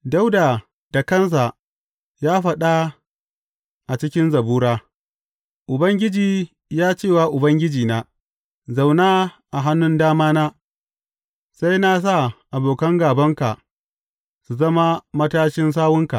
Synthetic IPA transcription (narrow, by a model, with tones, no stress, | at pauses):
da˦wda˨ | d̥a˨kɐ˦ns̬a˨ʔ | jaː˦ɸɐ˨ɗa˦ | ʔa˨t͡ʃɪ˦kʲɪ˦nzɐ˨buː˦ɾaː˦ | ʔʊ˨bɐ˦ŋɡʲɪ˦d͡ʒiː˨ | jaː˦t͡ʃeː˦˨waː˨ʔʊ˨bɐ˦ŋɡʲɪ˦d͡ʒiː˨naː˦ | za˨wnaː˦ʔa˨ɦa˦nːʊ˦ndaː˦maː˦naː˦ | sa˦jna˦s̬a˦˨ʔa˨boː˨kɐ˦ŋɡaː˨bɐ˦ŋka˨ʔ | su˨zɐ˦ma˦mɐ˦taː˦ʃɪ˦ns̬aː˦wʊ˦ŋka̰˨ʔ